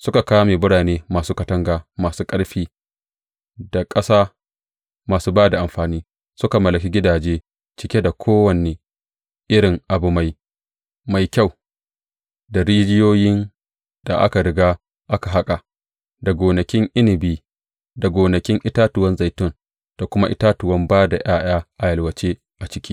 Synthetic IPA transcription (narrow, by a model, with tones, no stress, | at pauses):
sʊ˦ka˨kaː˦wmeː˨bʊ˦ɽaː˨neː˦maː˨suː˦kɐ˨tɐ˦ŋɡaː˨maː˨suː˦kʼɐ˦ɽɸiː˦ | da˨kʼɐ˦saː˦ | maː˨suː˦baː˦da˨ʔa˨mɸaː˨niː˦ | sʊ˦ka˨mɐ˨lɐ˨kʲi˦ɡʲɪ˦daː˨d͡ʒeː˦ | t͡ʃɪ˦kʲe˦da˨kʷʰoː˦wɐ˨ne˨ | ʔɪ˦ɽɪ˨ŋʔa˨bʊ˨ma˨j | ma˨jkʲa˦˨w | da˨ɾiː˦d͡ʒɪ˦joː˦jɪ˦n | d̥a˨ʔa̰˦ka˨ɾɪ˦ɡaː˦ | ʔa˦ka˨ɦa˦kʼa˨ | da˨ɡʷoː˨nɐ˨kʲɪ˦ŋʔɪ˦nɪ˨biː˦ | da˨ɡʷoː˨nɐ˨kʲɪ˦ŋʔɪ˦taː˦tʊ˨wɐ˦nza˨jtʊ˦˨n | d̥a˨kʷʊ˦ma˦ʔɪ̰˦taː˦tʊ˨wɐ˦mbaː˦da˨ʔj̰aː˦j̰aː˦ʔa˨jɐ˨lwɐ˨t͡ʃeː˦ | ʔa˨t͡ʃɪ˦kʲiː˦